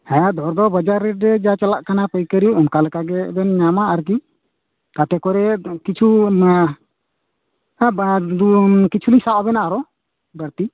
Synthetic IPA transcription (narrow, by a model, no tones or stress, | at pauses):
hɛ̃ad̪ʱɔɾd̪ɔbəd͡ʒaɾːɛt̚ɾɛd͡ʒat͡ʃalaʔkanapəjkəɾiunkaləkaɡɛbɛnɲamaʔaɾk̬i | t̪at̪ɛkɔɾɛkit͡ʃʰu | d̪ukit͡ʃʰulisawabɛnaʔaɾɔ | bəɾt̪i